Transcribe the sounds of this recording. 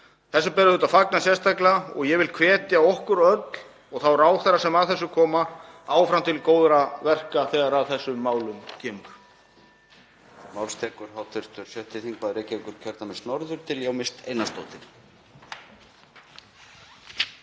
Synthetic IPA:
θɛsːʏpɛɾɪðʏːt̪aðfaknasjɛrst̪aklaɔ̰ɣjɛvɪlkʰvɛːt̪jaɔhkʏɾœt̪l̥ | ɔɣθawɾaːwθaɾːasɛmaðθɛsːʏkʰɔːmaaːwfɾamt̪ʰɪlkoːwðɾavɛr̥kaθɛːɣaɾaðθɛsːʏmːaːwlʏmcʰɛːmʏɾ̥ | mawlst̪ʰɛːkʏɾ̥hawt̪ʰɪɾ̥t̪ʏɾ̥sjœht̪ɪθiŋkvaðɾeːcɪviŋkʏɾ̥cʰœɾt̪amɛst̪nɔɾðʏɾ̥t̪ʰɪljawmɪst̪ejnast̪o̰wt̪ɪɾ̥

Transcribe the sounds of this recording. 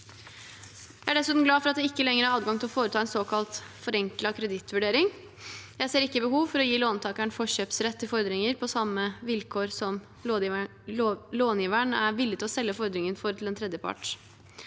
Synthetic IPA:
ææɖɛsʉːt̪m̩ɡlɑːfɔɾɑt̪̚d̪ɛɪkːəlɛŋːəɾəæɾɑːd̪ɡɑŋt̪ɪlɔfoːɾət̪ʰɑːɛnsoːkʰɑlt̪fɔɾɛŋklɑkʰɾɛd̪ɪt̪ːʋʉɖeːɾɪŋ | jæɪseːɾɪkːəbəɦuːʋfɔɾɔjiːloːnt̪ʰɑːkæɳfɔɕøːpsɾɛt̪ːɪfɔɾd̪ɾɪŋəɾpʰɔsɑmːəʋɪlkʰoːɾsɔm | loːnjɪːʋæɳæɾʋɪlːɪt̪ɪlɔsɛlːəfɔɾd̪ɾɪŋənfɔɾt̪ɪl̩ɛnt̪ʰɾɛd̪jəpʰɑ̰ʈ

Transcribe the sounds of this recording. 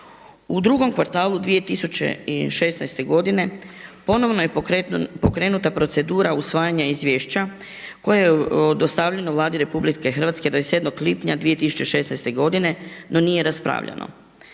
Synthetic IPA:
ud̪ɾuɡo̞mkʋaɾt̪aːlud̪ʋije̞t̪isut͡ɕḛiʃe̞snajst̪e̞ɡo̞d̪ine̞po̞no̞ʋno̞jepo̞kɾe̞ːnut̪apɾo̞t̪se̞d̪uːɾausʋaːjaɲaizʋʲjeːʃt͡ɕa | ko̞jajeod̪o̞st̪aʋʎenoʋlˠaːd̪iɾe̞publikexər̩ʋat̪ske̞d̪aesjed̪noklipɲad̪ʋije̞t̪isu̥t͡ɕeʃe̞snajst̪e̞ɡo̞d̪ine̞no̞niːje̞ɾaspɾa̰ːʋʎa̰no̰

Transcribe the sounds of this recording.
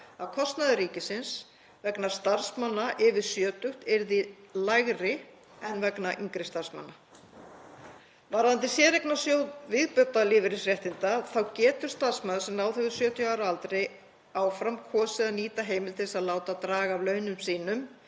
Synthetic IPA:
avkʰɔst̪naðʏɾiːcɪsɪns | vɛknḁst̪aɾ̥smanːaʔɪvɪðsjœːt̪ʏht̪ɛɾðilajɣrɪ | ɛnvɛknaʔiŋkɾɪst̪ar̥sma̰nːa | vaɾant̪ɪsjɛːɾejknasjoːwvɪðpʏt̪ːalɪːvɪɾɪsrjɛht̪ɪnt̪aθawcɛːt̪ʏɾ̥st̪ar̥smaðʏsɛmnaːwθɛvʏ̥sjœːt̪jaːwɾalt̪ɾɪj | aːwfɾamkʰɔːsɪðaniːt̪aɦeːjmɪlt̪ɪsaðlaːwt̪at̪ɾaːɣavlœːɥnʏmsiːnʏm

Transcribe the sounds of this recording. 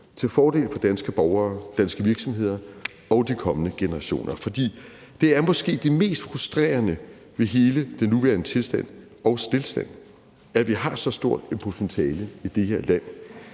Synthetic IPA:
t͡sʰe̝lfɒːd̥e̝̰ːlfɒ̽d̥ænsɡ̥əb̥ɒʊɐːd̥ænsɡ̥əʋiɐɡ̥sɒ̽mɦe̝ð̞̰ˠɐ | ɒ̽ʊd̥ikʰɒ̽mənəɡ̥e̝nəʁɑ̈ɕo̝̰ːnʔɐfɒ̽d̥ḭː | d̥e̝æɐmɒ̽sɡ̥e̝̰ːd̥eme̝̰ːsd̥fʁusd̥ʁḛːɐnə | ʋe̝ɦe̝ːləd̥enːuʋæɐnət͡sʰe̝lsd̥æn̰ | ɒ̽ʊsd̥e̝lsd̥æn̰ | æʋiɦɑ̈sɒ̽sd̥o̝ɐ̰d̥epʰusʰent͡sʰɛːləid̥e̝heɐlæn̰

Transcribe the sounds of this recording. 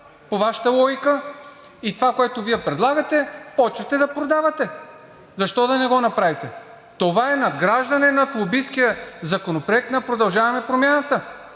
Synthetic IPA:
povaʃə̥t̪əlˠɔjikə | it̪ovakoɛt̪oviɛpɾɛd̪lˠaɡɐt̪ɛpɔt͡ʃvɐt̪ɛd̪ɐpɾod̪avɐt̪ɛ | zɐʃt̪ɔd̪ɐnɛɡɔnɐpɾavit̪ɛ | t̪ovaɛnɐd̪ɡɾaʒd̪ɐnɛnɐt̪lˠobiskijəzɐkonopɾoɛk̚t̪nɐpɾod̪ɐlˠʒavɐmɛpɾomʲjanɐt̪ə

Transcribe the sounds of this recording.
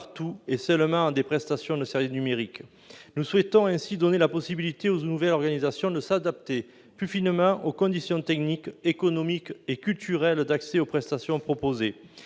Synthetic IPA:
paʁt̪uɛsœlmɑ̃d̪epχɛst̪asjɔ̃d̪əsɛʁvisnymeʁik | nuswɛt̪ɔ̃ɛ̃sid̪ɔnelapɔsibilit̪eoznuvɛlɔʁɡanizasjɔ̃d̪əsad̪ap̚t̪e | plyfinmɑ̃ʔokɔ̃d̪isjɔ̃t̪ɛknikekɔnɔmikekʲylt̪yʁɛld̪aksɛopχɛst̪asjɔ̃pχɔpoze

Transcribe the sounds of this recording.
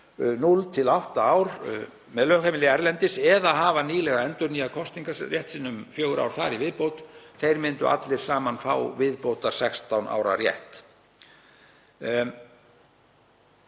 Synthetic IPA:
nult̪ʰɪlawht̪aaːwɾ | mɛðlœhkamɪlɪɛɾlɛnt̪ɪsɛðaɦaːvaniːlɛɣaɛnt̪ʏɾniakʰɔst̪iŋkarjɛht̪sɪnːʏmfjœːwɣɾa̰wɾ̥θaɾivɪðpowt̪θejɾmɪnt̪ʏ̰ʔa̰t̪lɪɾ̥saːmanfa̰wvɪðpowt̪aɾ̥sɛkst̪awnʔa̰ːwɾa̰ɾrjɛ̰ht̪

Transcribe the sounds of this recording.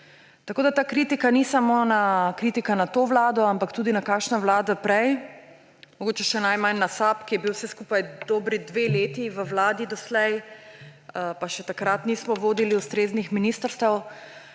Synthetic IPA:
t̪akoːd̪at̪aːkɾit̪ikanisamonakɾit̪ikanat̪oːʋlaːd̪ɔampakt̪uːd̪inakaːkʃnaʋlaːd̪apɾɛj | mɔɡoːt͡ʃɛʃɛnajmanːasapkijɛbiwfsɛskuːpajd̪oːbɾid̪ʋeleːt̪iʋəʋlaːd̪id̪ɔslɛj | əpaʃɛt̪akɾat̪niːsmɔʋoːd̪iliust̪ɾeːznixminiːst̪əɾst̪əw

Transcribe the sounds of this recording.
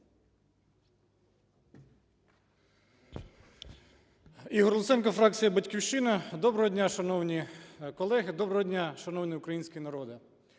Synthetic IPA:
iɦɔrlˠʊt̪sɛnkɔfɾɑk̚t͡sʲijɐbɐtʲkʲiwʃɪnɐd̪ɔbɾɔɦɔdʲnʲaʃɐnɔwnʲikɔlˠɛɦɪd̪ɔbɾɔɦɔdʲnʲaʃɐnɔwnʲiʊkɾɐjinʲsʲkʲinɐɾɔd̪ɪ

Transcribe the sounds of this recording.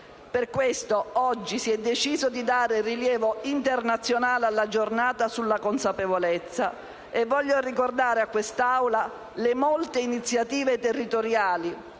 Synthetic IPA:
perkwest̪oɔd͡ʒːisiɛd̪ːet͡ʃiːzod̪id̪aːɾeriljɛːvoint̪ernat̪sːjonaːlealːad͡ʒornaːt̪asulːakonsapevolet̪sːa | evːɔʎːorikord̪aːɾeakːwest̪awla | lemɔlt̪einit̪sjat̪iːvet̪erːit̪oɾjaːli

